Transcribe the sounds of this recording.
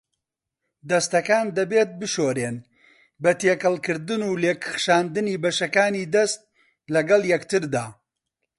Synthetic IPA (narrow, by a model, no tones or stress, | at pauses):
d̪ɐst̪ɐkaːnd̪ɐbeːt̪̚bɨʃoːɾeːn | bɐt̪eːkɐlˠkɨɾd̪ɨnuːleːkʰɨ̥χʃaːnd̪ɨniːbɐʃɐkaːniːd̪ɐst̪̚ | lɐɡɐlˠjɐkt̪ɨɾd̪aː